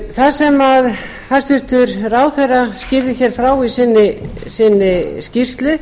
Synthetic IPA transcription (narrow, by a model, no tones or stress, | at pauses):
θasɛmað | hḁst̪vʏr̥t̪ʏɾraːwθejrascɪɾðɪçɛɾ̥fɾaːwisɪnːɪ | sɪnːɪscir̥st̪lʏ